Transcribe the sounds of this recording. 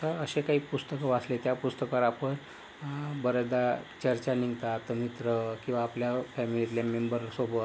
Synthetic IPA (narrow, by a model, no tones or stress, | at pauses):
əəɕekaɦiːpust̪əkəʋaslet̪japust̪əkəɾapən | bəɾəd̪at͡ɕəɾt͡ɕaniŋɡt̪at̪əmit̪ɾəkĩw̃ʋaːpljafɛmilit̪ljamembəɾsobət̪